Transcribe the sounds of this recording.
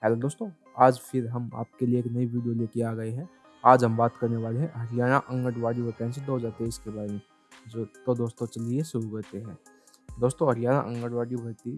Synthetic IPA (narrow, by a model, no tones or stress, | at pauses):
ɦɛːlod̪oːst̪õ | aːd͡ʒpʰɪɾɦɐma̰ːp̚kelieːknɐiʋiːɖijolekiaːɡɐeɦɛ̃ | aːd͡ʒɦɐmbaːt̪kɐɾneʋaːleɦɛ̃ɦɐɾijaːnaʔɐ̃ŋɡəʈʋaːɽiʋɐt̪ɛ̃nsed̪oːɦd͡ʒaːɾt̪eɪskebaːɾemẽ | d͡ʒot̪od̪oːst̪õt͡ʃɐliesʊɾuɡəːt̪eɦɛ̃ː | d̪oːst̪õɦɐɾɪjaːna̰ʔɐ̰̃ŋɡəɽʋaːɽibɐɾt̪i